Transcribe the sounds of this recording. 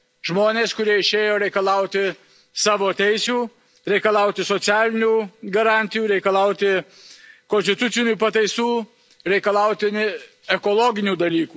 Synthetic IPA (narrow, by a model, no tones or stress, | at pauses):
ʒmoːnʲeːskʊɾʲiɛɪʃʲeːjoːɾʲɛɪkɐlˠɐʊt̪ʲɪ | sɑːʋoːt̪ʲɛɪsʲuː | ɾʲɛɪkɐlˠɑʊt̪ʲɪsoːt̪sʲæːlʲɪnʲuːɡɐɾɑnʲt̪ʲɪjuːɾʲɛɪkɐlˠɐʊt̪ʲɪ | konsʲt̪ʲɪt̪ʊt̪sʲɪnʲuːpɐt̪ɐɪsuː | ɾʲɛɪkɐlˠɐˑʊt̪ʲɪnʲɪ | ɛkoːlˠoːɡʲɪnʲuːd̪ɐlʲiːkuː